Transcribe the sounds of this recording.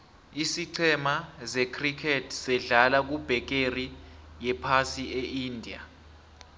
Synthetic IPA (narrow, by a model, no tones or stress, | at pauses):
isiǀʰɛmazɛkʰrikʰɛtʰsɛɮalak̬ub̥ʱɛk̬erijɛpʰasieindʱia̰